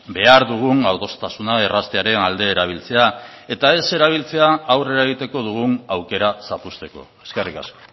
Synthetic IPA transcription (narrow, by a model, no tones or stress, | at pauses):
be̞aɾðuɣ̞unawðt̪o̞st̪asunaerast̪e̞aɾe̞nald̪e̞ːɾaβ̞ilt͡se̞ae̞t̪ae̞se̞ɾaβ̞ilt͡se̞aːwre̞ɾaeɣit̪e̞ko̞ðuɣ̞unawke̞ɾasapust̪e̞ko̞̰e̞skerika̰sko̞̥